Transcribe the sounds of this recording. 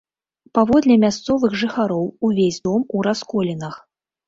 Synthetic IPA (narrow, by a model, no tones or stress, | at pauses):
pavɔd̪lʲɛmʲast̪sɔvɨɣʐɨxaɾɔwuvʲesʲd̪ɔmuɾaskɔlʲinɐx